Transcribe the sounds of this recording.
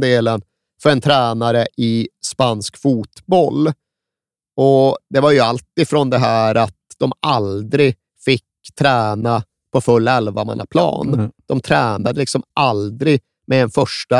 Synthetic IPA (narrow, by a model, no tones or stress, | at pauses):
d̪eːlən | fœɾɛnt̪ʰɾɛːnaɾəʔɪspanskfuːt̪bɔlː | ɔd̪ɛvaɾjɵalt̪ɪfɾɔnd̪ɛɦæːɾat̪̚d̪̥ɔmald̪ɾɪ | fɪkː | t̪ʰɾɛːna | pʰɔfɵlːɛlvama̰nːa̰pʰlɑ̰ːnd̪̥ɔmt̪ʰɾæːnad̪əlɪksɔmʔald̪ɾɪ | mɛɛnfœʂʈa